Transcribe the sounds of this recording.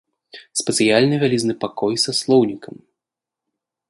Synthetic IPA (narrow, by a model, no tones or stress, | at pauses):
spʲɛt̪sɨjalʲnɨvʲalʲiznɨpakɔjsɐslˠɔwnʲikɐm